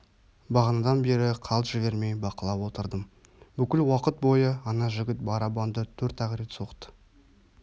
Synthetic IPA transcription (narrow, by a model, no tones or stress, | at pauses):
bɑʁɑnɑd̪ɑnbe̞ɾɪqʰɑlˠʒ̥ɪve̞ɾme̞jbɑqəlˠɑpwo̞t̪əɾd̪əm | bʏkʲɪlwɑqət̪̚bo̞jəɑnɑʒɪɡʲɪt̪̚bɑɾɑbɑnd̪ət̪ʰɵɾt̪æʁɾet̪so̞qt̪ə̥